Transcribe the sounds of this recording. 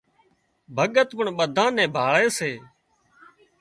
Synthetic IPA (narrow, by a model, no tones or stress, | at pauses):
bʱəɠət̪pəɳɓəd̪ʱãːnɛ̃ːbʱaːɭeːseː